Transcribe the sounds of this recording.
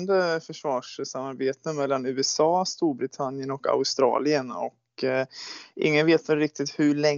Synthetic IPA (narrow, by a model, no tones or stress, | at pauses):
nd̪əfœʂvɑːʂsamːaɾbeːt̪əmɛlːanʉ̟ːɛsɑːst̪uːɾbɾɪt̪ʰanjənɔka̰ʊst̪ɾɑ̰ːlɪənɔ̰k | ʔɪ̰ŋːənveːt̪vɛlɾɪk̚t̪ɪt̪hɵɭɛ